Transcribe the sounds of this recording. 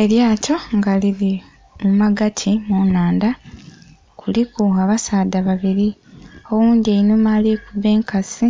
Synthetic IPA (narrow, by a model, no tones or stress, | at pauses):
e̞ljaːco̞ŋɡaliɾi | mumaɡatʰimunaːnda | kʰulikuaβasaːdaβaβiɾi | owuːndieinomaleːkuβe̞ːŋkasi